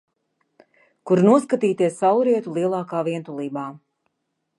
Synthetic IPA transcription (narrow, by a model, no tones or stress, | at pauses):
kuɾnuɔskat̪iːt̪iɛsːawɾiɛt̪ulˠiɛlˠaːkaːviɛnt̪ulˠiːbaː